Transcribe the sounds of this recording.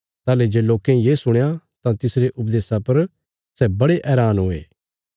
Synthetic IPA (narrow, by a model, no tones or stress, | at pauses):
t̪aːled͡ʒeːloːkẽĩjeːsʊɽ̃jã | t̪ãt̪ɪsɾeʔʊpd̪eːsapɐɾ | sɛbɐɽeʔɛːɾaːnɦoːḛː